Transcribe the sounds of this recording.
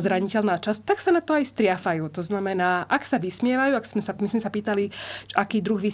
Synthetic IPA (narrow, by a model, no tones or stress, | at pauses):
zɾaɲicɛlnaːt͡ʃast̪aksanat̪ɔajst̪ɾɪafajuːt̪ɔznamɛnaːʔaksaʋismɪɛʋajuːaksmɛsamisimsapiːt̪aliʒʔakiːd̪ɾuɣʋi